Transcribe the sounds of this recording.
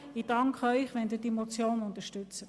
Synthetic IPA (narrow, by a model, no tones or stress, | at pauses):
id̥ɑŋkχœʏχʋɛnd̪iːdimot͡sjoːnʊnt̪əʃtʏt͡sə